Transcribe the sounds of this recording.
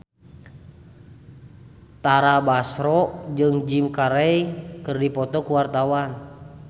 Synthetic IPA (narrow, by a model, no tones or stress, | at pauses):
t̪aɾabasɾɔʔd͡ʒɨŋd͡ʒimkaɾɛikɨrdipɔt̪ɔkuwart̪awan